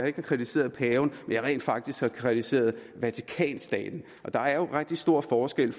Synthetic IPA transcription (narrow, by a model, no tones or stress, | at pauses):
ɑ̈e̝ɡ̥hɑ̈kʰʁit͡sʰise̝̰ːɐðˠpʰɛːʊnmenjɑ̈ʁɛ̰ːnd̥fɑ̈ɡ̥̚d̥isɡ̥hɑ̈kʰʁit͡sʰise̝̰ːɐð̞̩ˠʋæt͡sʰi̥kʰɛ̰ːnsd̥ɛ̰ːd̥n̩ | ʔɒ̽d̥ɑ̈æɐjo̝ʁeɡ̥̚d̥isd̥o̝ɐ̰fɒːsɡ̥el̰